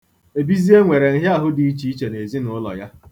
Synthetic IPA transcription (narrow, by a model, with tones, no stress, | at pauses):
e˨bi˦zi˦e˦ŋʷe˨ɾe˨n̩˦ɦja˦˨ɦʊ˦di˨i˦t͡ʃi˨˦i˦t͡ʃe˨ne˨zi˦nʊ˨ʊ˦lɔ̰˨ja˦